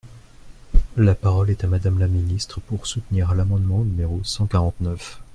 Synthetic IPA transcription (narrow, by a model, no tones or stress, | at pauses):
lapaʁɔlɛt̪amad̪amlaminist̪χəpuʁsut̪niʁlamɑ̃d̪mɑ̃nymeʁosɑ̃kaʁɑ̃t̪nœf